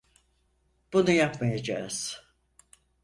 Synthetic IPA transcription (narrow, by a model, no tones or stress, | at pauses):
b̥unujapmajad͡ʒa̰ːz̥